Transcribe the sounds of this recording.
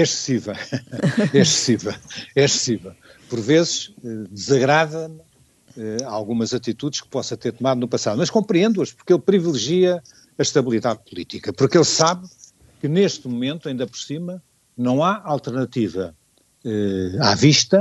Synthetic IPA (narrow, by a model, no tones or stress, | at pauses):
ɛʃɨ̥sivɛ | ɛʃsɨ̥sivɛlˠɛsɨ̥sivɛlˠ | pɔɾvezʃɛd̪ɨzɐɣɾaðɐm | ɛalˠɣumɐzɐt̪it̪uðʃkɨ̥pɔsɐt̪eɾt̪umaðunupɐsaðumɐʃkõmpɾiẽnd̪uɐʃpuɾkelˠpɾivilˠɨʒiɐ | ɐʃt̪ɐβilˠiðaðpulˠit̪ikɐpuɾkelˠsaβ | kɨneʃt̪mumẽnt̪uɐĩnd̪ɐpɔɾsimɐ | nɐ̃w̃aalˠt̪ɨɾnɐt̪ivɐ | ɛaviʃt̪ɐ